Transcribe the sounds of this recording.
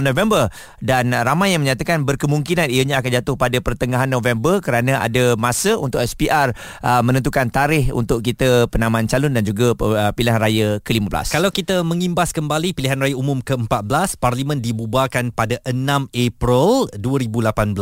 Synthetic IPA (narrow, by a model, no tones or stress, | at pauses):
novɛmbər | danramajːaŋməɲãt̪akanbərkəmuŋkinanijaɲãakand͡ʒat̪ʊhpadapərt̪əŋaɦanːõvɛmbərkəɾanãa̰dəmasəṵnt̪ʊʔɛspiʔar | ʔəmə̃nənt̪ukant̪aɾɪhṵnt̪ʊʔkit̪əpənãmãnt͡ʃalʊndand͡ʒuɡapiliɦanɾajakəliməbla̰skalawkit̪əmə̃ŋimbaskəmbalipiliɦanrajaumʊmkəəmpat̪̚bəlasparlimə̃ndibubakanpadaʔənãmepɾəlduəɾibulapanbəl